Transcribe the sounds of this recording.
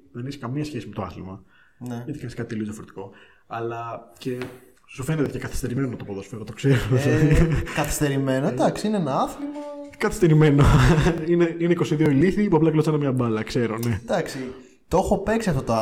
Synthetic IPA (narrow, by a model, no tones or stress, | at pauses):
ðenesi̥kɐmiɐsçe̞sime̞t̪oɐ̰θlimɐ | neʝɐt̪ikɐniskɐt̪it̪eliozðjɐfoɾet̪i̥ko̞ | ɐlɐce̞ | sufe̞net̪ecekɐθi̥st̪e̞ɾimenonɐt̪opoðosu̥feɾot̪okse̞ɾo | kɐθi̥st̪e̞ɾime̞nod̪ɐksiineenɐɐθlɐkɐθi̥st̪eɾime̞noineineiko̞siðio̞iliθipuɐplɐklosenɐmɲɐbɐlɐkse̞ɾone̞d̪̥ɐksi | t̪o̞xo̞pe̞ksiɐft̪ot̪o